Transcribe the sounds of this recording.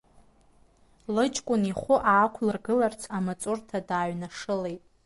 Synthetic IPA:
lɨt͡ʃʼkʷʼʊniχʷʊʔaːkʷʰlɨrɡɨlart͡sʰamat͡sʼʊrtʰadaːɥnaʂɨlejtʼ

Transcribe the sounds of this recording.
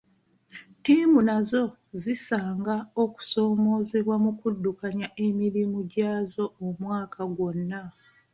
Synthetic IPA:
tiːmunazo̞ | zisaːŋɡao̞ku̥so̞ːmo̞ːzeβwamukudːukaɲaʔemiɾimuɟaːzo̞omwaːkʰaɡwo̞nːa

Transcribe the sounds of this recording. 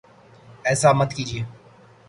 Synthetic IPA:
ɛːsaːmət̪ʰkiːd͡ʒiː

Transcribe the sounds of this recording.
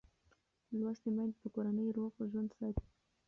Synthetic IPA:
lwaʃt̪emajnd̪pəkoɾanəjɾoɣʒwand̪sajt̪

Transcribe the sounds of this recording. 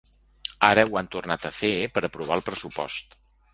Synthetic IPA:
aɾəwant̪urnat̪əfepəɾəpɾuβ̞alˠpɾəsupɔ̰st̪

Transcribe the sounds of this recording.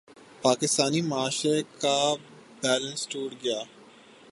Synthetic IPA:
paːkɪst̪aːnimɐaːʃeka | bɛːlə̃nsʈuːɽɡɐjaː

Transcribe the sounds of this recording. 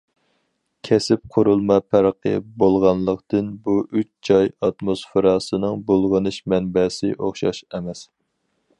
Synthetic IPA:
kʲʰɛsɪp̚qʰʊɾulˠmɑpʰæɾqʰə̰bolˠʁɑnlˠəqt̪ɨnbuyt͡ʃd͡ʒɑjɑt̪mosfɪɾɑsɨnɨŋbolˠʁənɨʃmɛnbɛsɪ̰ʔoχʃɑ̰ʃɛmɛs

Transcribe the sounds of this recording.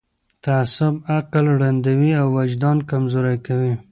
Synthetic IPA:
t̪asʊbaqlwɽand̪awiawːad͡ʒd̪ɑnkamzoɾajkawi

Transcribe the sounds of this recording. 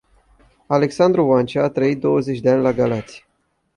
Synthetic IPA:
ale̞ksand̪ɾuvant͡ʃeat̪ɾəit̪̚d̪o̞wəzet͡ʃʲd̪eanʲlaɡalat̪sʲi̥

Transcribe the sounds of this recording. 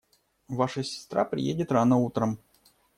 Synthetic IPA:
vaʂəsʲɪ̥st̪ɾa̰pɾʲɪ̰jedʲɪt̪ranəut̪ɾəm

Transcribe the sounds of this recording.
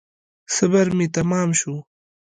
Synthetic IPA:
sɐbɐɾmit̪ɐmɑːmʃu

